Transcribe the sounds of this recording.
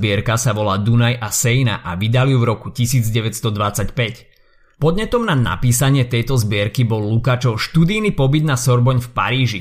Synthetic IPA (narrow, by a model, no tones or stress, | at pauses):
bɪɛɾkasaʋɔlaːd̪unajʔasɛjna̰ʔaʋid̪alijuvɾɔkucisiːd͡zɟɛʋɛt̪st̪ɔd̪ʋat͡sacpɛc | pɔd̪ɲɛt̪ɔmnana̰piːsaɲɪɛt̪ɛjt̪ɔzbɪɛɾkibɔlːukaːt͡ʃɔʃt̪ud̪ijnipɔbid̪nasɔɾbɔɲfpa̰ɾiːʒi